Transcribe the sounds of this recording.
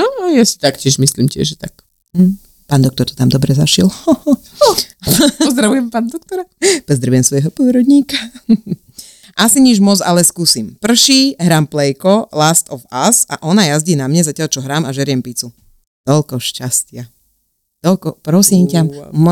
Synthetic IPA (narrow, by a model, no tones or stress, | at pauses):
nɔajasi̥t̪akcʲɪɛʒmisliːmcɪɛ̰ʒɛt̪ak̩ | paːnd̪ɔkt̪ɔɾt̪ɔ̥t̪amd̪ɔbɾɛzaʃil | zd̪ɾaʋujɛmpaːnad̪ɔk̚t̪ɔɾapɔzd̪ɾaʋujɛmsʋɔjɦɔpiːɾɔd̪ɲiːka | ʔasiɲiʒmɔd͡zalɛskuːsimpr̩ʃiːɦɾaːmplɛjkɔlast̪ɔfasa̰ʔɔnajazɟiːnamɲɛzacɪalt͡ʃɔɦɾaːmaʒɛɾɪjɛmpit͡su | t̪ɔlkɔʃcascɪa | t̪ɔlkɔpɾɔsimcamm